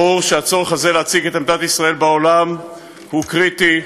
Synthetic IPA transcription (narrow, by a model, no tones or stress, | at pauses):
uʁʃeat͡so̞ʁeχazeleat͡siɡet̪amd̪atisʁae̞lbaolam | hukʁit̪i